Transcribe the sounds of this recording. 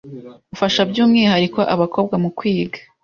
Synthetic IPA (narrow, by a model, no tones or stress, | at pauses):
βufaʃabɟuːmŋiːhaɾikwaʔaβako̞ːb̚ɡamukwiːɡḁ